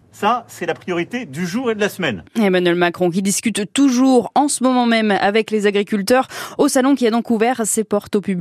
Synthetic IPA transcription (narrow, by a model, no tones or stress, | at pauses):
sasɛlapχijɔʁit̪ed̪yʒuʁed̪əlasmɛnemanɥɛlmakχɔ̃k̬ʲid̪iskʲyt̪ːuʒuʁɑ̃səmɔmɑ̃mɛma̰vɛklezaɡʁikʲylt̪œʁosalɔ̃kʲiad̪ɔ̃kuvɛʁsepɔʁt̪opybl